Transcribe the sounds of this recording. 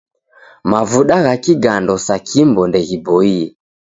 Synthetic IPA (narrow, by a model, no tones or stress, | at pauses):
mavuɗaɣakiɡandɔsakʰimbɔndɛɣibɔiɛ